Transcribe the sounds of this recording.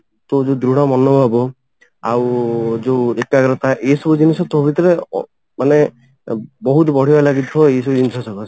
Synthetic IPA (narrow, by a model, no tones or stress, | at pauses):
t̪od͡ʒed̪ɾuɽ̃ɔmɔnːɔbʱɔbɔ | awd͡ʒewekaɡɾɔt̪aʔesɔbɔd͡ʒinisɔt̪ɔbʱit̪ɔɾḛ | mane | bɔɦut̪̬bɔɽ̤ialaɡit̪ʰbɔejsɔbɔd͡ʒinisɔsɔkɔ